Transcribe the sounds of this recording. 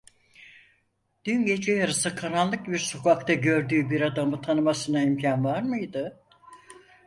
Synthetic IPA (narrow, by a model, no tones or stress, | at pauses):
d̪̥ynɟe̞d͡ʒʰɛjaɾɯsɯkʰaɾallˠːɯk̚biɾso̞kʰakt̪ʰaɟø̞ɾd̪yːbiɾad̪amɯt̪ʰanɯmasɯnaimcʰanvaɾmɯjd̪ɯ